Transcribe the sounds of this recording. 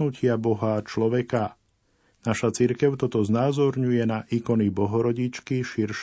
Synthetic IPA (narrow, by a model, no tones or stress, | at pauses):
ucɪabɔɦat͡ʃlɔʋɛka | naʃat͡siɾkɛʊt̪ɔt̪ɔznaːzɔɾɲujɛnaʔiːkɔnibɔɦɔɾɔɟit͡ʃkiʃiɾʃ